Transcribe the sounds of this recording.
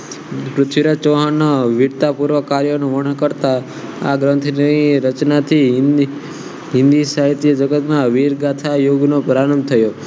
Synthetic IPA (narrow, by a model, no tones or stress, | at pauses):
kɾʊt̪ʰʋiɾat͡ʃoɦanːaʋiɾt̪apuɾʋəkaɾjonũʋəɳ̃əkəɾt̪a | a̰ɡɾə̃nt̪ʰnəiɾət͡ʃnat̪ʰi | ɦɪ̃nd̪isaɦit̪jəd͡ʒəɡət̪maʋiɾɡat̪ʰajoɡnopəɾaɾəmt̪ʰəjo